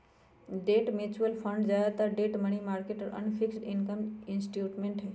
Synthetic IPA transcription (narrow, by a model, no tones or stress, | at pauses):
ɖeːʈmeːt͡ɕuʋəlfʰə̃ɳɖd͡ʑaːat̪aɖeːʈmɐɳ̃imaːɾkeːʈɔɾɐ̰nfʰɪksɖɪnkəmɪnsʈjuːʈmẽɳʈɦɛː